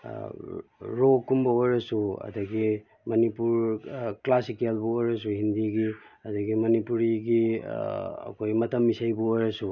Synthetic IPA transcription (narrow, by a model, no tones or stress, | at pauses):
ɾokːumbɐojɾɐsuɐ̰dɐɡi | mɐnipuɾklasikelbuojɾɐs̬uhindiɡi | ɐdɐɡimɐnipuɾiɡi | ɐ̰kʰojmɐtɐmːisajbuojɾɐsu